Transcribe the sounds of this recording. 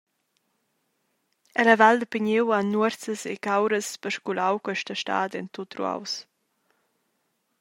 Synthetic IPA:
ɛlavald̪əpiɲewanːuəɾt͡səsḛkawɾəspəɾʃkulawkwɛʃtəʃta̰ːdɛnt̪ot̪rṵa̰ws

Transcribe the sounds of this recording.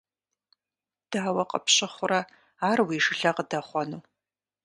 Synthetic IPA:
d̥aːwɐqɐ̰pɕɪχʷʊrɐ | aːrwiːʂɨɬɐqədɐχʷɔnuː

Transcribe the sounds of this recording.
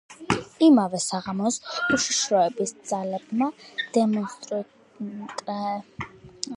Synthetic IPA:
imavɛsaʁamɔsuʃiʃɾɔɛbisd̪z̥alɛbmad̪̥ɛmɔnst̪ʼɾʼ

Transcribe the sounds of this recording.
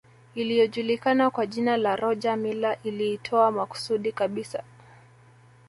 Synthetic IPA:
ilijɔʄulikanakwaʄinalaɾɔʄamilaʔiliːtʰɔamaku̥suɗikaɓisa

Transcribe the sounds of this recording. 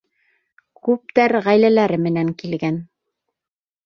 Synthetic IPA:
kʉp̚t̪æɾʁæjlælæɾɘmɘ̆næŋkilɡæn

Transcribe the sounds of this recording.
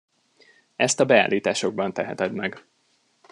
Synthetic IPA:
ɛst̪ɒbɛa̰ːlːiːt̪aːʃo̞ɡ̚bɒnt̪ɛɦɛt̪ɛd̪mɛɡ

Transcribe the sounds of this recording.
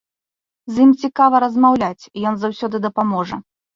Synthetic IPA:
zʲjimt͡sʲikavɐɾɐzmawlʲat͡sʲijɔnzawsʲɔd̪ɨd̪ɐpamɔʐɐ

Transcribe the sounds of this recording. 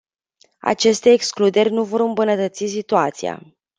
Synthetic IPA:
a̰t͡ʃe̞st̪e̞ːksklud̪e̞rʲnuvo̞ɾɨmbunət̪ət̪sis̬it̪uat̪sḭa̰

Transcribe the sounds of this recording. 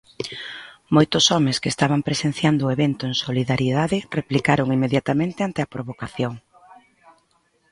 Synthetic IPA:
mojt̪ʊsɔmeskeːst̪aβampɾesen̟θjand̪ʊːeβent̪oeŋsoliðaɾjiðaðɪreplikaɾoŋimeðjat̪amẽnt̪ɪant̪eɐpɾoβokaθjoŋ

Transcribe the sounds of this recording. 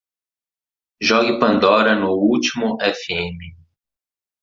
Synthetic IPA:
ʒɔɡɪpɐ̃nd̪ɔɾɐnʊut͡ʃimʊʔɛfiẽmɪ

